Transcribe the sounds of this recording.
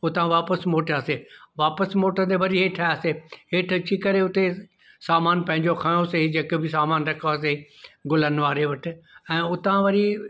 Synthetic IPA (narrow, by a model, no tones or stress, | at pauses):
ʊt̪ãʋaːpəsmoːʈaːseʋaːpəsmoːʈə̃nd̪eʋɐɾiɦeːʈʰaaːseɦeːʈʰt͡ɕikɐɾeʊt̪e | saːmaːnpɐ̃ɦɪ̃ɲd͡ʑokʰãːjoseid͡ʑekbɪs̬aːmaːnɾɐkʰaːs̬eiɡʊlənʋaːɾeʋɐʈʰɪ̆ɛ̃ːʊt̪ãʋɐɾi